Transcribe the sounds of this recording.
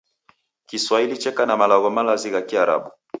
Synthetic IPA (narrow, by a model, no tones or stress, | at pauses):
kiswailit͡ʃɛkanamalaɣɔmalaziɣakiaɾa̰ɓu